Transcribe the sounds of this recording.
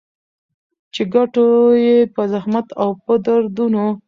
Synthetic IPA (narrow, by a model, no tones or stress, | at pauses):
t͡ʃeɡaʈojepəzahmat̪awpəd̪aɾd̪uno